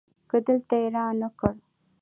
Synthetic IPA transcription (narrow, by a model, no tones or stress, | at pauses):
kəd̪əlt̪aeɾɑnəkəɽ